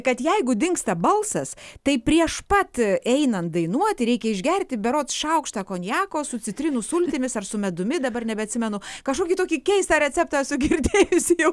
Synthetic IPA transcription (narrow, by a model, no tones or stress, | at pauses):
kɐt̪jɛɪɡʊd̪ʲɪŋkst̪ɐbɐlˠsɐst̪ɐɪpʲɾʲiɛʃpɐt̪ɛɪnɐn̚d̪ɐɪnuɔt̪ʲɪɾʲɛɪkʲɛɪʒʲɡʲɛrʲt̪ʲɪbʲɛɾoːt̪sʃɐʊkʃt̪ɑːkoːnʲjæːkoːsʊt͡sʲɪt̪ʲɾʲɪnʊsʊlʲt̪ʲɪmʲɪsɐrsʊmʲɛd̪ʊmʲɪd̪ɐbɐrnʲɛbʲɛɐt̪ʲsʲɪmʲɛnʊkɐʃkoːkʲiːt̪oːkʲiːkʲɛɪst̪ɐɾʲɛt͡sʲɛp̚t̪ɐɛsʊɡʲɪrʲd̪ʲeːjʊsʲɪjɛʊ